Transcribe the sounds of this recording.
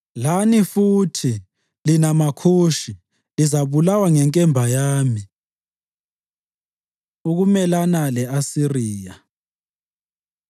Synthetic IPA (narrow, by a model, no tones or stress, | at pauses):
lanifutʰi | linamakʰuːʃi | lizaβulawaŋɛŋkʼɛmbʱajaːmi | uɣumɛlanalɛasiriːja